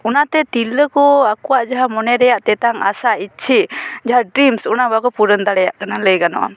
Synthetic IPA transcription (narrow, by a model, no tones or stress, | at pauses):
unat̪ɛt̪iləkɔakuwaʔd͡ʒaɦamɔnɛɾɛjaʔt̪ɛt̪aŋa̰sait͡ʃʰiʔd͡ʒaɦaɖɾimsunabakɔpuɾənd̪aɾɛjaʔkanaləjkanɔ̰ʔɔ̰